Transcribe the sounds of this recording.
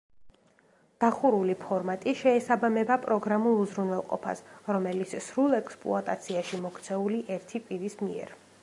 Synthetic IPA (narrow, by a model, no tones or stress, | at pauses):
d̪̥aχuɾulipʰɔɾmat̪ʼiʃɛːsabamɛbapʼɾɔɡɾamulˠuzɾunwɛlˠqʼɔ̰pʰa̰sɾɔmɛlit̪ssɾulˠɛkspʼlṵat̪ʼat̪sʰiaʃimɔkt̪sʰɛuliʔɛɾt̪ʰipʼiɾismiɛ̰ɾ